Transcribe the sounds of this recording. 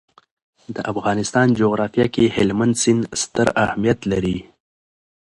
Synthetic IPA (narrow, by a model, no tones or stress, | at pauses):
d̪əʔafɣɑnɪst̪ɑnd͡ʒoɣɾɑfijɑkehɪlmand̪sɪnst̪əɾahmijat̪laɾi